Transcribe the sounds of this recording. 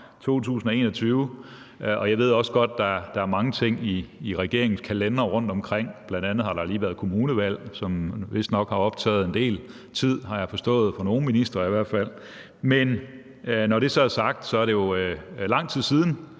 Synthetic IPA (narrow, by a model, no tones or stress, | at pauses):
t͡sʰo̝̰ːt͡sʰṵːsn̩ɒe̝ːnɒt͡sʰyːʊ | ʔɒ̽jɑ̈ɪʋe̝ð̞̰ˠɒ̽səɡ̥ɒ̽d̥̚d̥ɑ̈d̥ɑ̈æɐmɑ̈ŋət͡sʰe̝ŋ̰iːʁɛɡ̥e̝ɐe̝ŋn̩skʰælenɐʁɔ̽n̰d̥ɒ̽mkʰʁeŋ̰b̥lænd̥ænð̞̩ˠhɑ̈ɾ̥ɑ̈liːʋæɐðˠkʰo̝muːnəʋæl̰sɒ̽mʋe̝sd̥nɒ̽ɡ̥hɑ̈ɒ̽b̥̚t͡sʰɛ̰ːð̩ˠend̥e̝̰ːl | t͡sʰið̰ˠhɑ̈jɑ̈ɪfɒ̽sd̥ɔ̰̽ːð̩ˠfɑno̝ːn̩minisd̥ʁɐiʋæɐ̰d̥fæl̰ | men | nɒɾ̥e̝sɒæsɑ̈ɡ̥̚d̥sɒ̽æɐɾe̝jo̝lɑ̈ŋ̰t͡sʰið̰ˠsiːðˠn̩